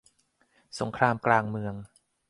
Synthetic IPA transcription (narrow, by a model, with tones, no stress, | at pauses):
so˩˦ŋkʰɾaː˧mklaː˧ŋmɯ˧əŋ